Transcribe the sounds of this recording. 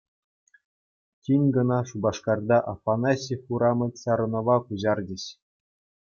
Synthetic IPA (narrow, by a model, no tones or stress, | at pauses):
tʲinʲɡɤ̆nɑʂubɑʂkɑrd̪ɑʔɑ̰fɑnɑsʲixuɾɑmɤ̆lʲsɑɾɤ̆nŏʋɑkuʑɑrd͡ʑɘ̆ɕ